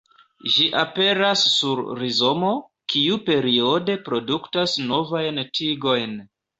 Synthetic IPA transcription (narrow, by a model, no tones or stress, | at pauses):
ʒiʔape̞ɾasːuɾɾizo̞mo̞ | kiupe̞ɾio̞de̞pɾo̞duktasno̞vajntʰiɡo̞jn